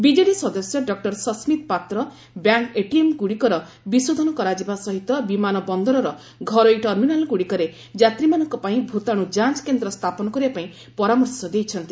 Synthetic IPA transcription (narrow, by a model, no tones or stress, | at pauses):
bid͡ʒeɽisɔd̪ɔsjɔɖɔk̚ʈɔɾsɔsmit̪pat̪ɾɔ | bjaŋkeʈiemɡuɽikɔɾɔ | bisud̪ʱɔnɔkɔɾad͡ʒibasɔɦit̪ɔbimanɔbɔnd̪ɔɾɔɾɔ | ɡʱɔɾɔiʈɔɾminalɡuɽikɔɾe | d͡ʒat̪ɾimanɔŋkɔpaĩbʱut̪aɽ̃ũd͡ʒant͡ʃkend̪ɾɔst̪ʰapɔnɔkɔɾibapaĩ | pɔɾamɔɾsɔd̪ejt͡ʃʰɔnt̪i